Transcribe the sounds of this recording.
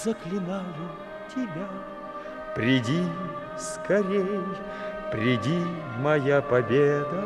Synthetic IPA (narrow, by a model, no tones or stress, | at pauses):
zəklʲɪnajʊ | tʲɪbʲa | pɾʲɪdʲi | skʰɐɾʲej | pɾʲɪdʲi | mɐjapɐbʲed̪ə